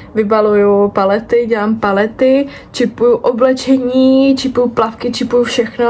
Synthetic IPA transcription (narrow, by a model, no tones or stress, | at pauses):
vɪbalujupalɛt̪ɪɟɛlaːmpalɛt̪ɪ | t͡ʃɪpujuʔoblɛt͡ʃɛɲiːt͡ʃɪpujuplafkɪt͡ʃɪpujufʃɛxno